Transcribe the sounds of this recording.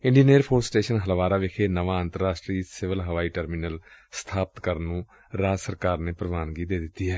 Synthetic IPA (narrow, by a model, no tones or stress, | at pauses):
ɪ̃ɳɖiːneːɾpʰoːɾssʈeːʃənɦəlʋaːɾaːʋɪkʰeːnəʋãːə̃nt̪əɾaːsʈɾiːsɪʋəlɦəʋaːiːʈəɾminəlst̪ʰaːpət̪kəɾnːũː | ɾaːsəɾkaːɾneːpəɾəʋaːnɡiːd̪eːd̪ɪt̪ːiːɦɛː